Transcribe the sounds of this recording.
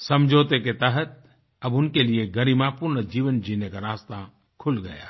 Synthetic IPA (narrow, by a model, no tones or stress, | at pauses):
sɐ̃md͡ʒʱoːt̪eket̪əɦət̪̚ | ɐbʊnkelieɡɐɾiːmapʊɾnd͡ʒiːʋənd͡ʒiːnekaɾaːst̪a | kʰʊlɡɐ̰ja̰ː